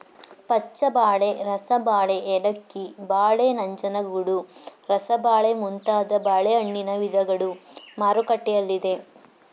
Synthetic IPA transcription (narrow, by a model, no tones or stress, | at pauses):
pɐt͡ʃːɐbaːɭe̞ɾɐsɐbaːɭe̞ʔeɽɐkːibaːɭeːnɐɲt͡ʃɐnɐɡuɽuɾɐsɐbaːɭemunt̪aːd̪ɐbaːɭeɐɳːinɐʋid̪ʱɐɡɐɭumaːɾukɐʈːɛjɐlːid̪e̞